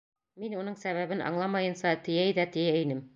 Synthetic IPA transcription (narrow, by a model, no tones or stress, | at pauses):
minunɤɴsæβæβɘnʔɑ̰ɴlˠɑmɑjɤ̆nsɑt̪ɘ̆jæjðæt̪ɘ̆jæinɘm